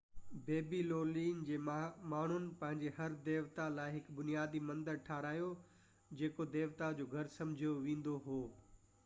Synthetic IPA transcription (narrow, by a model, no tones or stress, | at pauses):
beːbiloːliːnd͡ʑeːmaːɳ̤ʊnɪ̆pɐ̃ɦɪ̃ɲd͡ʑeɦɐɾd̪eːʋt̪alaːɪɦɪkbʊnijaːd̪imɐ̃nd̪əɾʈʰaːɾaːjo | d͡ʑeːkod̪eːʋt̪ad͡ʑoːɡʱɐɾsɐ̃mɪd͡ʑʱijoʋẽːnd̪oɦoː